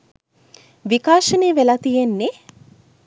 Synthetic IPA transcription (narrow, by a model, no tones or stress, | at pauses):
ʋikaːʃəneːʋelat̪ijenːe